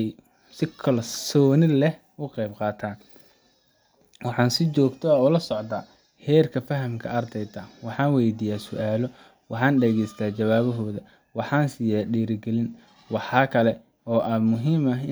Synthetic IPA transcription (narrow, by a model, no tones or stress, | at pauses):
j | sɪkʰɐlsɔːnɪlɛh | ʊqɛjbqɑːt̪ʰaːn | wɑħɑːnsɪt͡ʃɔːɡt̪ʰɔɐʊlɐsɔʕd̪a | hɛːrkʰɐfɐɦɐmkʰɐɐrd̪ʰɛjd̪ɐwɑħɑːnwɛjd̪iːjaːsʊʔaːlɔ | wʔɑħɑːnɖɛɣɛjst̪ʰaːt͡ʃɐwaːβɔɦɔːðɐ | wɑħɑːnsɪjaɗiːɾɪɡɛlɪn | wɑħɑːkʰɐlɛ | ɔːʔɐmʊɦiːmɐɦɪ